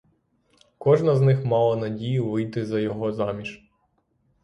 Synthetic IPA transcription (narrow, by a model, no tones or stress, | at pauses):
kɔʒnɐznɪxmɑlˠɐnɐdʲijʊʋɪjt̪ɪzɐjɔɦɔzɑmʲiʃ